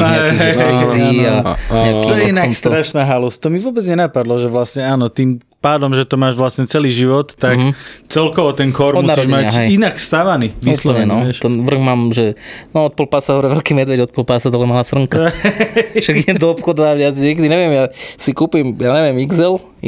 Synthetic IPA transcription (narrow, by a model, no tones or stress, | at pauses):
ɦɛɦɛziaɲak̪ɔjɛinast̪ɾɾaʃnaɦalust̪ɔmiʋʊɔbɛd͡zɲɛnapad̪lɔʒɛʋlasɲɛaːnɔt̪iːm | paːd̪ɔmʒɛt̪ɔmaːʒʋlasɲɛt͡sɛliːʒiʋɔt̪ːakt͡sɛlkɔʋɔt̪ɛnkɔɾmɔdmunaɾiɔʒmaaɦɛjinakfst̪aʋaniːʋislɔɲɛnɔt̪ɛnʋr̩ɣmaːmʒɛnɔɔt̪̚pɔlpasaɦɔɾɛʋɛlkiːmɛd̪ʋɛɟɔt̪pɔlpasat̪ɔlɛmalaːsr̩ŋka | ʃaɡiɲɛd̪ɔɔpxɔd̪ʋaʋɪad͡zɲɛːk̬ɛd̪iɲɛʋɪɛmjasikuːpimjaɲɛʋɪɛmiɡzɛl